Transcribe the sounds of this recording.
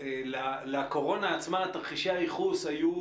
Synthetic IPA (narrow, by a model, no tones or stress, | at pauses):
elaleako̞ʁo̞naːt͡smaat̪aχiʃajiχusaju